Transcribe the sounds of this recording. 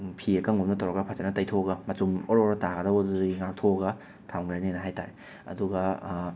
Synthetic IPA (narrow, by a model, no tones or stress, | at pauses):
pʰiekaŋumnɐtʰawɾɐɡɐpʰatanɐtɐjtʰoɡɐmɐtumoɾɔɾɐtaɡɐdɐwɐdudŋak̚tʰoɐɡɐ | tʰawŋɾajnenɐɦajta̰ɾe | ɐ̰duɡɐ